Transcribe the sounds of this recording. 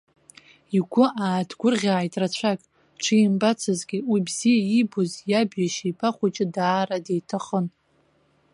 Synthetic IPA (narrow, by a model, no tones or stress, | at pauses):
iɡʷʰʊʔaːtʰɡʷʊrʁʲaːjtʼrat͡ɕʷʰakʼ | ʈ͡ʂʷʰijmbat͡sʰɨzɡʲɪwibz̥ijaibozjabjaʃijpʰaχʷat͡ʃʼɪdaːɾadejtʰaχən